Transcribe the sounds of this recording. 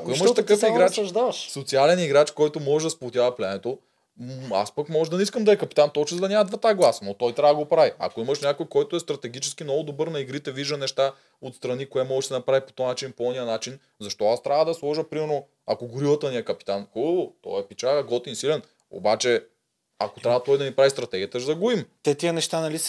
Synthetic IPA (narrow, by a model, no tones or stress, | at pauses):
ɐkoiməʃt̪ɐkəfiɡaat͡ʃɐʒd̪avɐʃsot̪sialɛniɡɾat͡ʃkɔjt̪omɔʒɛd̪ɐspoot̪ʲjavɐplʲɛnɛt̪o | a̰spəkmɔʒɛd̪ɐnɛiskəmd̪ɐɛkɐpit̪ant̪ɔt͡ʃɛzd̪ɐnʲamɐd̪vat̪aɡlˠasnot̪ɔjt̪ɾʲavɐəɡopɾavia̰koiməʃnʲakojkɔjt̪oɛst̪ɾɐt̪ɛɡit͡ʃɛ̥skinnɔɡʊd̪obɤɾnɐiɡɾit̪ɛviʒd̪ənɛʃt̪a | ot̪st̪ɾɐnikoɛmɔɡɛʃsɛnɐpɾavipo̥t̪ɔnat͡ʃinpoɔnijənat͡ʃin | zɐʃt̪ɔast̪ɾʲavəd̪ɐslˠɔʒəpɾimɛɾno | akoɡʊɾivˠɐt̪əniɛkɐpi̥t̪anxut̪ɔ̰ɛpit͡ʃaɡɐɡɔt̪insilɛn | o̰bat͡ʃɛ | a̰kot̪ɾavɐt̪ɔjd̪ɐnipɾavist̪ɾɐt̪ɛɡʲiət̪əʒzɐɡuimt̪ɛt̪iənɛʃt̪anɐli